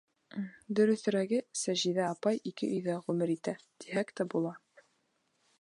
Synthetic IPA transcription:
d̪ɵ̆ɾɵ̆θɵ̆ɾæɡɘsæʒiðæɑpɑjikɘ̰ʔɵ̆jðæʁʉmɘɾit̪æ | t̪iɦækt̪æbulˠɑ

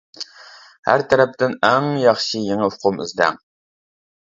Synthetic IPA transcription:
hæ̰ɾt̪ʰæɾɛp̚t̪ɪnæŋjɑχʃijeŋɨfʊqʰʊmy̰zd̪æ̰ŋ

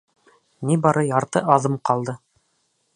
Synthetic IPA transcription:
nibɑɾɤjɑɾt̪ɤʔɑðɤmqɑlˠd̪ɤ

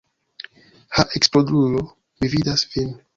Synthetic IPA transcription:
haʔeksplodulo̞ | mividasvin

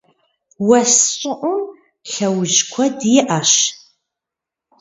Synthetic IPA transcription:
wɐsɕʼɪʔʷʊm | ɬɐwʊʒkʷʰɐdjɪʔaʃ

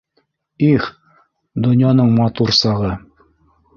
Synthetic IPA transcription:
iχ | d̪ŏnjɑnɤɴmɑt̪uɾsɑʁɤ

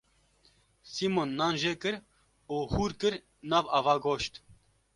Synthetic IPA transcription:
simonːaːnʒeːkɨɾ | uːhuːɾkɨɾ | naːvaːvaːɡoʃt̪

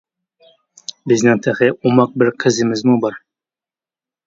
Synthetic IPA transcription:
bɘ̆znɘŋt̪ʰæχɘumɑq̚bɘɾqʰə̆zɘ̆mɪzmubɑɾ

